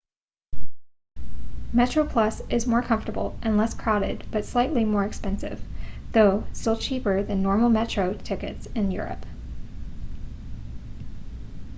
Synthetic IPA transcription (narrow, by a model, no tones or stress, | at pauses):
mɛt͡ʃɹ̥oʊpʰl̥ʌsɪzmɔɹkʰʌ̃ɱftə˞bl̩ˠʔɨ̃nlɛskʰɹ̥aʊɾɪ̰d̚b̥ʌtslaɪʔˡlimɔɹɨkspɛ̃nsɪ̰v̥ðoʊstɪlˠt͡ʃʰipə˞ðɨ̃nːɔɹml̩ˠmɛt͡ʃɹ̥oʊtʰɪkɨ̰tsɨ̃njʊ̰ɹɨ̰p